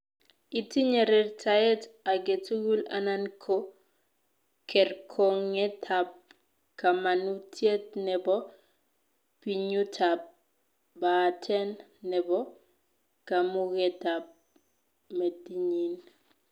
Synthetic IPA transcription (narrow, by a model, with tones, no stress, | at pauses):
i˨ti˦ɲe˨ɾɛ˨rtʰa˨ɛ˦ta˨ɡe˨tu˦ɡu˦la̰˨na˦nkʰo˦ | kʰɛ˨rkʰo˨ŋɛ˦tʰa˨p̚ | ka˨ma˨nu˦tʰje˦tnɛ˨bɔ˦ | pi˨ɲu˦tʰa˨p̚ | batʰɛ˦nːɛ˨bɔ˦ | ka˨mʊ˦ɡɛ˦ta˨p̚ | me˨di˦ɲi˨n